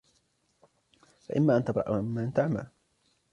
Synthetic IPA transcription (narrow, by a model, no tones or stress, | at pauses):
fa̰ʔɪmːaːʔant̪abɾˤɑ̰ʔʔɪmːaːʔant̪aʕma̰l